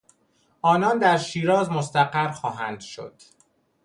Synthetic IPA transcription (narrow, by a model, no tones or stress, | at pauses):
ʔɒːnɒːnd̪æɾʃiːɾɒːzmost̪æɢæɾxɒːɦænd̪ʃo̞̰d̪̥